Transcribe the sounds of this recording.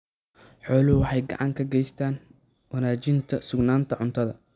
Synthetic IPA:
ħɔːlʊɦʊwɑħɑjɡɑ̰ʕɑŋkʰɐɡɛjst̪ʰaːn | wɐnaːt͡ʃɪnt̪ʰɐsʊɡnaːnt̪ʰɐʕʊnt̪ʰɐðɐ

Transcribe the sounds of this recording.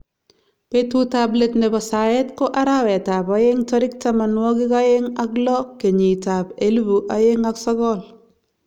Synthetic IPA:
petutabletnɛbasaetkoʔaɾawɛtabajeŋtɔɾɪk̚tamanwɔkikajeŋaklɔkːeɲitapelbuʔajeŋaksɔɡɔl

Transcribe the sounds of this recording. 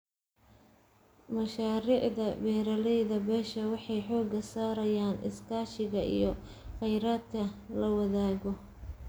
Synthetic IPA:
mɐʃaːɾiːʕðɐbɛːɾɐlɛjðɐbɛːʃɐwɑħɑjħɔːɡɐsaːɾɐjaːnʔɪ̰skʰaːʃɪɣɐʔḭjɔ | qɛjɾaːd̪̚kʰɐlɐwɐðaːɣɔ

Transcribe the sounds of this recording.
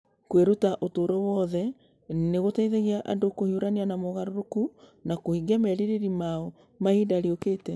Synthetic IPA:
kweɾutaʔotoɾɔwɔðɛ | neɣotaiðeɣiaʔandokohiuɾanianamoɣaɾoɾokunakohiɡiamɛɾeɾeɾimaɔ | mahidaɾiokeːtɛ

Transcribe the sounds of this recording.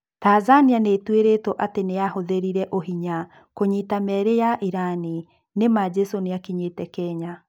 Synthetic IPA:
tazanianetweɾetɔʔateneahoðeɾiɾɛʔoɦiɲa | koɲitamɛɾejaʔiɾani | nemad͡ʒɛsoneakiɲetɛkɛɲa

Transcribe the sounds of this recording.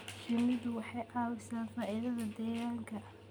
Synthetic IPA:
ʃɐmɪd̪wɑħɑjʔɑːwɐsaːnfaːʔɪðɐðɐd̪ɛːɣaːŋkʰɐ

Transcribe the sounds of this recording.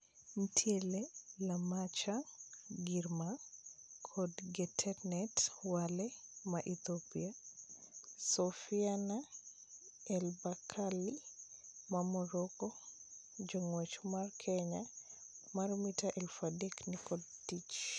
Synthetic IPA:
m̩tʰjelelamat͡ʃaɡirmakʰɔdɡɛtʰɛnɛtwalɛmaʔit̪opia | sɔfiana | ɛlbakʰali | mamɔɾɔkɔ | d͡ʒɔŋwet͡ʃmarkʰɛɲa | marmitaʔɛlfadɛknikɔd̚tit͡ʃ

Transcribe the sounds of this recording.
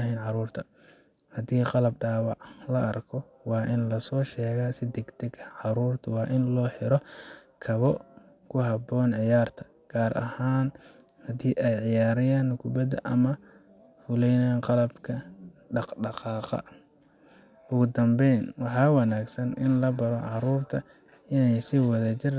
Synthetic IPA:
ɐɦɛjnʕɑɾuːrt̪ʰɐ | hɐd̪iːqɑlɐb̚ɖaːwɑʕlɐʔɐrkʰɔ | wɑːʔɪnlɐsɔːʃɛːɣaːsɪd̪ɛɡt̪ʰɛɡɐʕɑɾuːrt̪ʰʊwɑːʔɪnlɔːħɪɾɔkʰɐβɔ | kʰʊɦɑbɔːnʕɪjaːrt̪ʰɐ̥ | ɡ̥aːɾʔɐ̰haːn | hɐd̪iːʔɛjʕɪjaːɾɪjaːnkʰʊbɐd̪ɐ̰ʔɐmɐ | fʊlɛjnaːnqɑlɐbkʰɐɖɑqɖɑqɑːqɑ̰ | ʔʊɣʊd̪ɐmbɛjnwɑħɑːwɑnaːɡsɐnɪnlɐbɐɾɔʕɑɾuːrt̪ʰɐ | ɪnɛjsɪwɑðɐt͡ʃɪr

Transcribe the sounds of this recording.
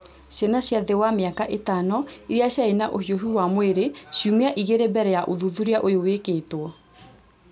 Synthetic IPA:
ɕjanaɕjaðewameakaʔetanɔiɾiaɕjaenaʔohioɦiwamweɾeɕjumeaʔiɣeɾebɛɾɛjaʔoðuðuɾeaʔojowekeːtwɔ

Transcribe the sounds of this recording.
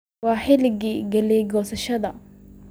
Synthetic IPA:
wɑːħɪlɪɡiːɡɐliːɡɔːsɐʃɐd̪ɐ

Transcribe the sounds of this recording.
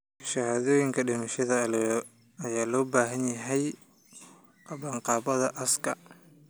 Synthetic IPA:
ʃɐhaːðɔːjɪŋkʰɐɖɪmɐʃɐðɐɐlɛjɔ | ɐjaːlɔːbaːɦɐnjɐɦɛj | ʔɐβaːɴqɑːβɐðɐʔɐskʰɐ

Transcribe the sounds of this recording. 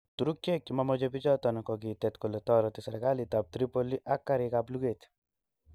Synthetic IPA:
t̪uɾukjekːimamɔd͡ʒɔbid͡ʒɔt̪ɔnɔkɔk̬it̪ɛt̪kolet̪ɔɾɔt̪isɛɾɡalit̪ap̚t̪ɾipoliʔakːaɾikapluɡet̪

